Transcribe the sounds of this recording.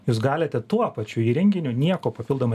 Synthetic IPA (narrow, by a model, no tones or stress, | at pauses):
juːs̬ɡɑːlʲet̪ʲɛt̪uɔpɐt͡ʃʲuiːɾʲɛŋʲɡʲɪnʲʊnʲiɛkoːpɐpʲɪlˠd̪oːmɐ